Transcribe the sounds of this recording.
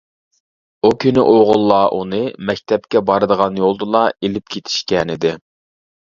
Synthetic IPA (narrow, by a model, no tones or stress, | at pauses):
ukʲʰynɪ̰ʔoʁʊlˠːɑːʔunɨmɛkʲt̪ʰɛp̚kʲɛbɑɾɨd̪əʁɑnjolˠd̪ɨlˠɑelɪpkʲʰet̪ʰi̥ʃkʲɛnɪd̪ɪ